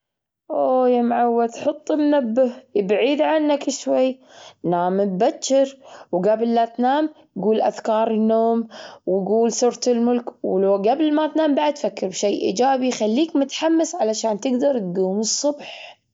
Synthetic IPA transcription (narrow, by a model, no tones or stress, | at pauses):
ʔoːjamʕawːat̪ħʊt̪ˤːɪmnabːɪhjbʕiːd̪ʕanːakɪʃwajːnaːmɪbbat͡ʃːɪɾwɡablːat̪naːm | ɡuːlʔaðkɑːɾˤɪnːoːmwɡuːlsʊɾˤt̪ɪlmʊlkwlɡablmat̪naːmbaʕd̪̚t̪fakːɪɾbʃeːʔḭːd͡ʒaːbixalːiːkmʊt̪ħamːɪsʕalaʃaːnt̪ɪɡd̪ɑɾˤt̪̚ɡuːmɨsˤːʊbħ